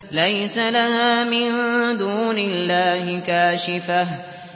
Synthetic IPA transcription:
lajsalahaːmɪnd̪uːnɪlːaːhɪkaːʃɪfah

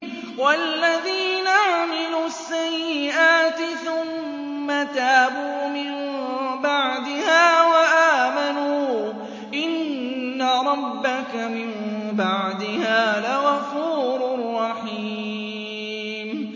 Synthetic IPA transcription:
wallːaðiːnaaʕmɪluːasːajːɪʔaːt̪ɪθʊmː | at̪aːbuːmɪmbaʕd̪ɪhaːwaʔaːmanuː | ʔɪnː | aɾˤɑbːakamɪmbaʕd̪ɪhaːlaɣɑfuːɾrˤːɑħiː | m

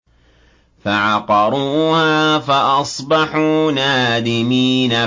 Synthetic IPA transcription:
faʕɑqɑɾˤuːhaːfaʔɑsˤbɑħuːnaːd̪ɪmiːna

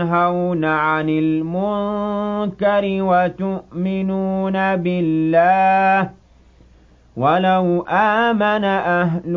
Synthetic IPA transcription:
ɦawnaʕanɪlmʊnkaɾɪwat̪ʊʔmɪnuːnabɪlːaːh | walawʔaːmanaʔaɦl

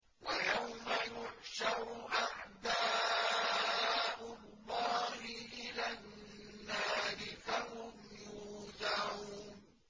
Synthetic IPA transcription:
wajawmajʊʕʃɑɾʔaʕd̪aː | ʔʊlːɑːhɪʔɪlanːaːɾɪfaɦʊmjuːd̪aʕuːn

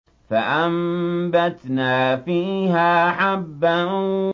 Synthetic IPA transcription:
faʔambat̪naːfiːɦaːħabːa

